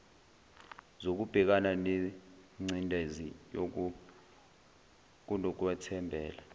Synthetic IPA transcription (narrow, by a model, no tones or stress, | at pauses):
zok̬ub̥ʱɛk̬ananeŋ͡ǀindʼʱezijok̬u | k̬unɔk̬wɛtʰɛmbʱɛːla